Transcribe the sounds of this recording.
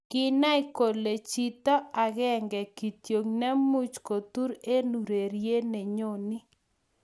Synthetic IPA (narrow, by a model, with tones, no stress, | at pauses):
kɪ˦na˦i˦ko˨le˨t͡ʃi˦t̪ɔ˦a˨ɣɛ˦˨ŋɡɛ˨ki˨t̪jo˨ŋna˦mu˦t͡ʃko˨t̪u˦ɾe˦nu˨ɾe˨ɾje˦ne˨ɲo˦˨ni˦